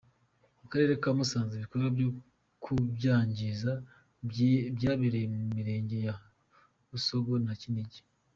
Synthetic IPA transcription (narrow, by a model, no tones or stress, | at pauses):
mukaɾe̞ːɾekaːmusaːnziβikoɾwabjo | kʰubɟaːɲɟiza | bjaːβiɾejemumiɾe̞ːɲɟe̞ja | βusoɡonaciniɟi̥